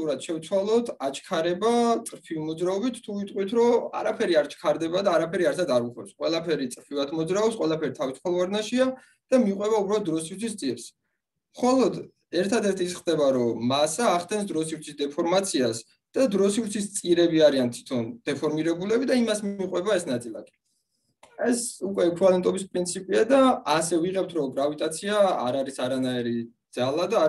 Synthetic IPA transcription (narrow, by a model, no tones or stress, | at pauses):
t̪uɾat̪ʃɛvt̪sʰwalˠɔt̪ʰat͡ʃʰkʰaɾɛbat̪sʼɾpʰivimɔd̪zɾaɔbit̪ʰt̪ʰːuvit̪ʼqʼwit̪ʰɾɔa̰ɾapʰɛɾiaɾt͡ʃʰkʰaɾd̪ɛbad̪aːɾapʰɛɾiaɾt̪ʰad̪aɾuχʼɛpsqʼwɛlˠapʰɛɾit̪sʼɾpʰivat̪ʰmɔd̪zɾaɔbsqʼwɛlˠapʰɛɾit̪ʰavisʰχɔlˠvaɾnaʃia | d̪̥amiqʼwɛbaubɾalˠɔt̪̚d̪ɾɔsivɾt̪ʰist̪sʼiɾs | mχɔlˠɔd̪ | ɛɾt̪ʰad̪ɛɾt̪ʰisχd̪ɛbaɾɔmasaːχd̪ɛns̬d̪ɾɔsivɾt̪sʰisd̪ɛpʰɔɾmat̪sʰias | d̪̥ad̪ɾɔsivɾt̪sʰist̪sʼiɾɛbiaɾiant̪ʰi̥t̪ʰɔnd̪̥ɛpʰɔɾmiɾɛbulɛbid̪aimasmiqʼwɛbaɛsnat̪sʼilˠa̰kʼi̥ | ɛsukʼwɛɛkʰɾalɛnt̪ʼɔbispʼɾint̪sʰipʼiad̪aasɛviʁɛp̚t̪ʰɾɔɡɾavit̪ʼat̪sʰiaa̰ɾaɾisaɾanaiɾid̪z̥alˠad̪a